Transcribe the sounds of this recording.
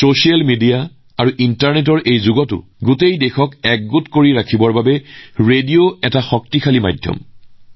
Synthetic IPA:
sosialmidia | aɹuʔintaɹnet̬ɔɹʔejzʊɡɔtʊ̰ | ɡutejdɛxɔkɛk̚ɡʊtkoɹiɹakʰibɔɹbabɛɹedioɛtaxɔk̚tixʰalima̰jdʱjɔ̰m

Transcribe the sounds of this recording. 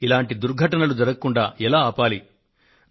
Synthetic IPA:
ilaːɳʈid̪uɾɡʱɐʈɐnɐlud͡ʒɐɾɐkɐkuɳɖaːɛlaːaːpaːli

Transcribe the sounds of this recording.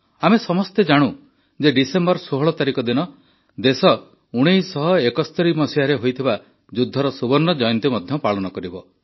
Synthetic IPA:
amesɔmɔst̪ed͡ʒaɽ̃u | d͡ʒeɖisembɔɾsoɦɔɭɔt̪aɾikɔd̪inɔ | d̪esɔ | uɽ̃ejsɔɦɔekɔst̪ʰɔɾimɔsiɦaɾeɦojt̪ʰiba | d͡ʒud̪ʱːɔɾɔsubɔnːɔd͡ʒɔjɔnt̪imɔd̪ʱjɔpaɭɔnɔkɔɾibɔ

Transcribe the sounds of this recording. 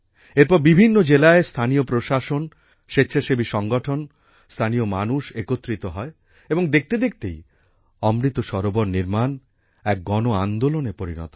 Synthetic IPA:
eɾpɔɾbibʱinːod͡ʑelaest̪ʰaniopɾoʃaʃon | ʃetːɕʰaʃebiʃɔŋɡoʈʰon | st̪ʰaniomanuʃekot̪ːɾit̪oɦɔe | eboŋd̪ek̚t̪ed̪ek̚t̪ej | ɔmɾit̪oʃɔɾoboɾniɾman | ɛk̚ɡɔnoand̪olonepoɾinɔ̰t̪o

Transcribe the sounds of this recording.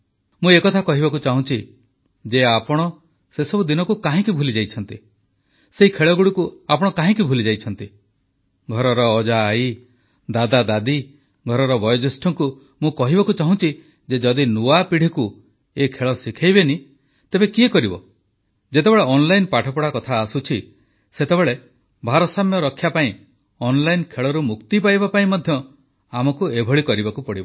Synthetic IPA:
mũekɔt̪ʰakɔɦibakut͡ʃaɦũt͡ʃʰi | d͡ʒeapɔɽ̃ɔ | sesɔbud̪inɔkukaɦĩkibʱulid͡ʒajt͡ʃʰɔnt̪i | seɦikʰeɭɔɡuɽikuapɔɽ̃ɔkaɦĩkibʱulid͡ʒajt͡ʃʰɔnt̪i | ɡʱɔɾɔɾɔːd͡ʒaːi | d̪ad̪ad̪ad̪i | ɡʱɔɾɔɾɔbɔjɔd͡ʒ̪esʈʰɔŋku | mũkɔɦibakut͡ʃaɦũt͡ʃʰi | d͡ʒed͡ʒɔd̪inuapiɽ̤iku | ekʰeɭɔsikʰajβeni | t̪ebekiekɔɾibɔ | d͡ʒet̪ebeɭeɔnlajnpaʈʰɔpɔɽakɔt̪ʰaːsut͡ʃʰi | set̪ebeɭe | bʱaɾɔsamjɔɾɔkʰːjapaĩ | ɔnlajnkʰeɭɔɾumukt̪ipajbapaĩmɔd̪ʱjɔ | amɔkuebʱɔɭikɔɾibakupɔɽ̤ibɔ

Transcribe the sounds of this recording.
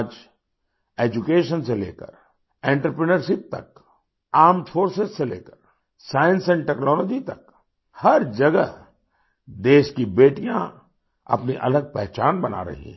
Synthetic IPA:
d͡ʒ | eːd͡ʒukeːʃənselḛːkə̰ɾ | ẽːɳʈəɾpɾənəɾʃɪp̚t̪ɐ̰k | aːɾmfʰoːɾsezselḛːkəɾ | saːjə̃nsɛ̃ɳʈɛːknɔːlɔːd͡ʒit̪ɐk | hɐɾd͡ʒɐɡə | d̪eːʃkibeːʈijã̰ | ɐ̰pniʔɐ̰ləɡ̚pɛɦt͡ʃaːnbɐna̰ɾɐ̰ɦḭ̃

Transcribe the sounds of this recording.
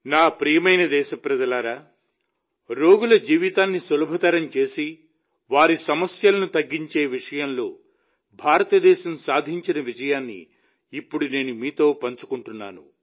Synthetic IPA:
naːpɾijɐmɐjnɐd̪ɛːʃɐpɾɐd͡ʒɐlaːɾaː | ɾo̞ːɡulɐd͡ʒiːʋit̪aːnːisɐlɐbʱɐt̪ɐɾɐmt͡ʃe̞ːsi | ʋaːɾisɐmɐsjɐlɐnut̪ɐɡːiɲt͡ʃe̞ːʋiʂɐjɐnlo̞̰ː | bʱaːɾɐt̪ɐd̪ɛːʃɐmsaːd̪ʱiɲt͡ʃinɐʋid͡ʒɐjaːnːḭː | pːuɽune̞ːnumiːt̪o̞ːpɐɲt͡ʃu̥kuɳʈunːa̰ːnṵ

